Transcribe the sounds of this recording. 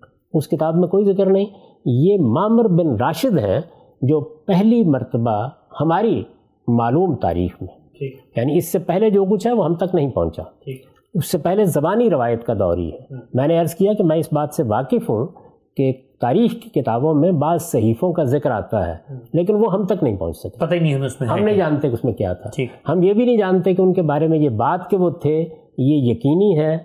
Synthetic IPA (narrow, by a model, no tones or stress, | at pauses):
ʊskɪt̪aːbmẽkoːizɪkəɾnɐɦĩ | jeːmaːmɪɾbɪnɾaːʃɪd̪ɦɛ̃ | d͡ʒoːpɛɦlimɐɾt̪əba | hɐmaːɾi | maːluːmt̪a̰ːɾḭːxmẽ | jaːniɪsːepɛɦled͡ʒoːk̬ʊt͡ʃʰɦɛʋoɦɐmt̪ɐknɐɦĩpɐɦʊ̃ɲt͡ʃa̰ | ʊsːepɛɦlezɐbaːniɾɪʋaːjət̪kad̪ɔ̰ːɾḭɦɛːmɛ̃ːneɐɾzkijakemɛ̃ːɪsbaːt̪seʋaːqɪfɦṵ̃ | ket̪aːɾiːxki̥kɪt̪aːbõmẽbaːzsɐɦiːfõkazɪkɾa̰ːt̪a̰ɦɛ̰ːleːk̬ɪnʋoɦɐmt̪ɐknɐɦĩpɐ̰ɦʊ̰̃ɲt͡ʃsɐk̚epɐt̪ainĩɦmʊsmẽɦɐmnɐɦĩd͡ʒaːnt̪ekʊsmẽkja̰t̪ʰaːiːhɐmjebʱinɐɦĩd͡ʒaːnt̪ek̬eʊnkebaːɾemẽjebaːt̪keʋot̪ʰe | jejɐkiːniɦɛː